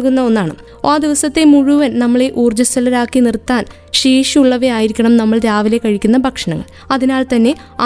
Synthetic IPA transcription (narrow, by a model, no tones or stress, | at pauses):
kunːɐo̞nːaːɳɨ̰ | aːd̪iʋɐsɐt̪ːe̞muɻuʋɐnnɐmːɐɭe̞ʔuːrd͡ʑɐst̪ʰɐlɐɾaːkːinirt̪ːaːn | ɕiːʂiuɭːɐʋeaːjiɾikʲːɐɳɐmnɐmːɐɭd̪jaːʋile̞kːɐɻikʲːunːɐbʱɐkʂɐɳɐŋːɐ̰ɭ | ɐðinaːlt̪ɐnːe̞ | a